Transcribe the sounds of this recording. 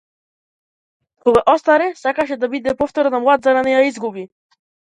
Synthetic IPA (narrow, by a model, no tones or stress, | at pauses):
kɔɡaʔɔst̪aɾɛsakaʃ̬ɛd̪abid̪ɛpɔft̪ɔɾnamlˠad̪zaɾanɛjaizɡubi